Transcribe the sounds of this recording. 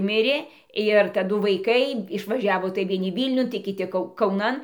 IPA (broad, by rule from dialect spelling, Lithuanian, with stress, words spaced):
ˈmʲɪrʲeː ɪr tɐˈdʊ ʋɐɪˈkɐɪ ɪʃʋɐˈʒʲæːʋoː tɐɪ ʋʲiɛˈnʲɪ ˈʋʲiːlʲnʲʊn tɐɪ kʲɪˈtʲɪ ˈkɐʊ kɐʊˈnɐn